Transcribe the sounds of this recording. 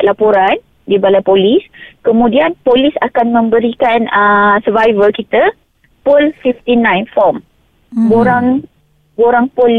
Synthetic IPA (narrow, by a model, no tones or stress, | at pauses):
lapoɾan | dibalajpoliskəmũdianpolisakanmə̃mbəɾikanəsəvajvəlkit̪ə | pulfift̪inãjnfɔm | boɾaŋ | boɾaŋpɔl